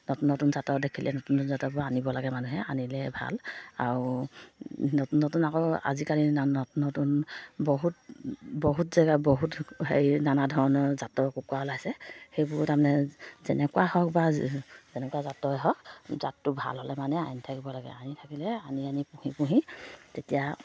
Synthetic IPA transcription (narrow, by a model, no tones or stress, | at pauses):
nɔtunːɔtunzatɔdekʰilʔɛnɔtunzatɔbɔanibɔlaɡɛmanuɦɛanilɛbʱa̰laɹu | nɔtunːɔtunakɔa̰zikalinanɔtunːɔtunbɔɦut̚bɔɦutzaɡabɔɦuthejnanadʱɔɹɔnɔɹzatɔkukwaɔlajsɛxejbɔtamnɛzɛnɛkuwahɔk̚bazɛnɛkuazatɔɛɦɔk̚za̰tːʊbʱa̰lɦɔlɛmanɛajntʰakibɔlaɡɛ̰anitʰakilɛanianipũhipuɦitetija